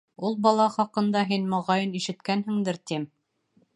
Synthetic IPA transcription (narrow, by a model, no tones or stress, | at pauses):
ulˠbɒlˠɑχɑqɤ̆nd̪ɑɦinmŏʁɑjɤniʃɘ̆t̪kænɦɘ̆ŋd̪ɘɾt̪im